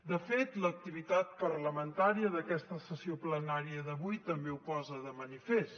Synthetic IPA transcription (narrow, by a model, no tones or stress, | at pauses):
d̪əfet̪lək̚t̪iβit̪at̪̚pəɾləmənt̪aɾiəðəkɛst̪əsəsioplənaɾiəðəβujt̪əmbeupɔzəðəmənifes